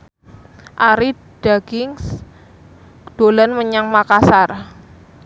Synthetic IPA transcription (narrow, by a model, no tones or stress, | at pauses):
ʔaɾi | d̥aɡɪŋs | d̪̥o̤lanməɲaŋmakasar